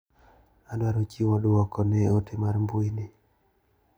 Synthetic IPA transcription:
adwaɾot͡ʃiwadoɔkɔnɛotʰemaɾmbuinɪ

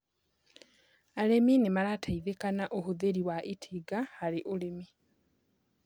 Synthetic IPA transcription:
aleminemalatʰaiðekanaʔohuðeɾiwaʔitʰiɡahaliʔulemi

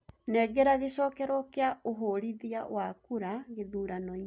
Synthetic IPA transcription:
nɛːɡɛɾaɣeɕɔːkɛɾɔkeaoɦoɾiðiawakuɾaɣeðuːɾanɔi

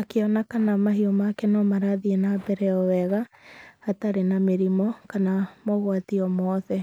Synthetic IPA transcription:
akeɔnakanamaɦiomakɛnɔmaɾaðienabɛɾɛɔwɛɣaː | taɾenameɾimɔkanamɔɣwatiɔmɔðɛ

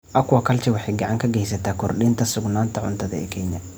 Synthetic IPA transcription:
ʔɐkʰwɐkʰɐlt͡ʃʰɛwɑħɑjɡɑʕɑŋkʰɐɡɛjsɐt̪ʰaːkʰɔrɗiːnt̪ʰɐsʊɡnaːnt̪ʰɐʕʊ̰nt̪ʰɐðɐɛ̰ːkʰɛɲɐ

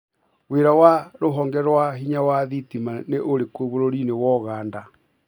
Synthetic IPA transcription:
weɾawaɾoɦɔŋɡɛɾwaɦiɲawaðitimaneʔoɾekoβoɾoɾinewɔɣaːnda

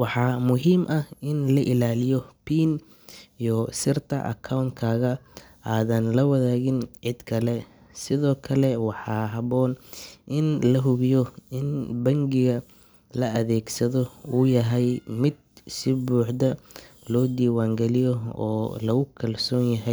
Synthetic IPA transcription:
wɑħɑːmʊɦiːmʔɐhɪnlɐʔɪlaːlɪjɔpʰiːn | ijɔsɪrt̪ʰɐ̰ʔɐ̰kʰɐwnt̪kʰaːɣɐ | ʔaːðɐnlɐwɐðaːɣɪnʕɪd̪kʰɐlɛ | sɪðɔːkʰɐlɛwɑħɑːɦɐβɔːnʔɪnlɐɦʊβɪjɔɪnbɐŋɡɪɣɐ | lɐɐðɛːɡsɐðɔujɐɦɛjmɪd̪̚sɪbuːħd̪ɐlɔːd̪iːwaːŋɡɛlɪjɔɔ̰ːlɐɣʊkʰɐlsɔːnjɐɦɛj

